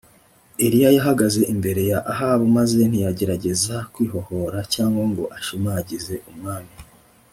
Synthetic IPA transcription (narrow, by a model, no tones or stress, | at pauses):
eɾijajaɦaɡaze̞ʔimbe̞ɾe̞jaʔaɦaːβumaze̞n̥ijaɟe̞ɾaɟe̞zakwiːɦo̞ho̞ɾacaːŋɡaŋɡo̞ʔaʃimaːɟize̞ʔumŋaːmi